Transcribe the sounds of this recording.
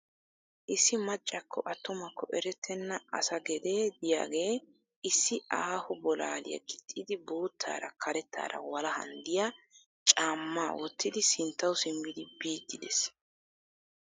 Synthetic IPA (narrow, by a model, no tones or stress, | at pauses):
ʔɪsːɪmɐt͡ʃʼːɐkʰːɔʔɐt̪ːɔmɐkːɔʔɛɾɛt̪ʰːɛnːɐɐ̰sɐɡɛd̪e̞ːd̪ɪja̰ːɡe̞ː | ɪsːɪʔaːhʊbɔla̰ːlɪ̰jɐ̰ɡɪt̪ʼːɪd̪ɪbo̞ːt̪ʰːa̰ːɾɐkʰɐɾɛt̪ʰːa̰ːɾɐ̰wɐlɐhɐ̰nd̪ɪja | t͡ʃʼaːmːaːwɔt̪ːɪd̪ɪsɪnt̪ːɐwʊsɪmːɪd̪ɪbiːt̪ːɪd̪ɛs